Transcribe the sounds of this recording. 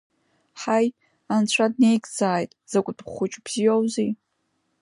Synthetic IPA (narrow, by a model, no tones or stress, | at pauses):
ħaj | ant͡ɕʷʰadne̞jkʰʼd͡zaːjtʼz̥akʷʼʊdʰχʷʊt͡ʃʼbz̥ijowzi